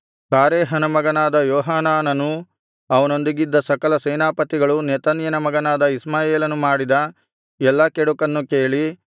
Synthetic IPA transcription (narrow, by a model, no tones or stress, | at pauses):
kaːɾeːɦɐnɐmɐɡɐnaːd̪ɐjɔːɦaːnaːnɐnu | ɐʋɐno̞nd̪iɡid̪ːɐsɐkɐlɐsɛːnaːpɐt̪iɡɐɭunɛt̪ɐnjɐnɐmɐɡɐnaːd̪ɐismaːjeːlɐnumaːɽid̪ɐ | ɛlːɐkɛɽukɐnːuke̞ːɭi